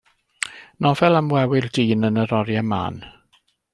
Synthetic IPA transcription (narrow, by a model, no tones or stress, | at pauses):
nɔvɛlˠamwɛwɪrdiːnənəɾɔɾjama̰ːn